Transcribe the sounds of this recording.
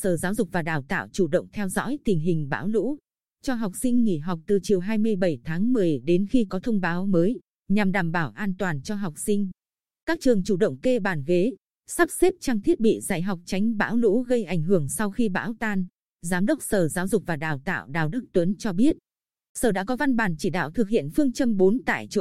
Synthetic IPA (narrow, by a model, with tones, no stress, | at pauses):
səː˨˩zaː˨˦wzʊ˨˩k͡p̚vaː˨˩ɗaː˨˩wt̪a̰ː˧˨wt͡ɕu˧˩ɗə̰˧˨ŋ͡mt̪ʰɛ˧wzɔ̰˧˥jt̪ï˨˩ŋ̟ɦï˨˩ŋ̟ɓa̰ː˧˥wlṵ˧˥ | t͡ɕɔ˧ɦa˨˩wk͡p̚sï˧ŋ̟ŋḭ˧˩ɦa˨˩wk͡p̚t̪ɨ˨˩t͡ɕi˨˩əwɦaː˧jmɨ˧əjɓə˧˩jt̪ʰaː˨˦ŋmɨ˨˩əjɗe˨˦nxi˧kɔ˨˦t̪ʰə˧wŋ͡mɓaː˨˦wməː˨˦j | ɲa˨˩mɗaː˨˩mɓaː˧˩wʔaː˧nt̪waː˨˩nt͡ɕɔ˧ɦa˨˩wk͡p̚sï˧ŋ̟ | kaː˦˥k̚t͡ɕɨ˨˩əŋt͡ɕu˧˩ɗə̰˧˨wŋ͡mke˧ɓaː˨˩nɣe˨˦ | sa˦˥p̚se˦˥p̚t͡ɕaː˧ŋt̪ʰi˦˥ət̚ɓḭ˧˨zaː˧˩jɦwk͡p̚t͡ɕa˨˦jŋ̟ɓa̰ː˧˥wlṵ˧˥ɣə˧jʔa˧˩jŋ̟ɦɨ˧˩əŋsa˧wxi˧ɓa̰ː˧˥wt̪aː˧n | zaː˨˦mɗə˦˥wk͡p̚səː˨˩zaː˨˦wzʊ˨˩k͡p̚vaː˨˩ɗaː˨˩wt̪a̰ː˧˨wɗa̰ː˨˩wɗɨ˦˥k̚t̪wə˨˦nt͡ɕɔ˧ɓi˦˥ət̚ | səː˧˩ɗa̰ː˧˥kɔ˨˦va˧nɓaː˨˩nt͡ɕi˧˩ɗa̰ː˧˨wt̪ʰɨ˨˩k̚hḭ˧˨ənfɨ˧əŋt͡ɕə˧mɓo˨˦nt̪a̰ː˧˨jt͡ɕo̰˧˨